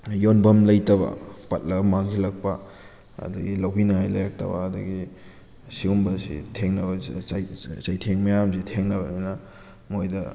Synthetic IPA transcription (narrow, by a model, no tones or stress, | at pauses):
jonbɐmlɐjtɐβɐ̰pɐt̚lɐbmaŋɡilɐk̚pɐ̰ | ɐ̰dɐɡilɐwɡinɐŋajlɐ̰jak̚tɐ̰bɐ̰ːdɐ̰ɡi | siumbɐsḭtʰeŋnɐbɐ | t͡ʃajtʰeŋmɐjamsitʰeŋnɐbɐnjnɐ | mojdɐ